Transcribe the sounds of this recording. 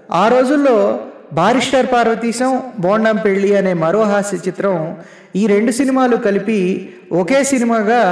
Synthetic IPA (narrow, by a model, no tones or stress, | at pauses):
aːɾo̞ːd͡ʒulːo̞ː | bʱaːɾiʂʈɐɾpaːɾʋɐt̪iːsɐmboːɳɖɐmpe̞ɭːiɐne̞ːmɐɾoːɦaːsɐt͡ʃit̪ɾɐm | iːɾe̞ɳɖusinimaːlukɐlipi | ɔke̞ːsinimaːɡaː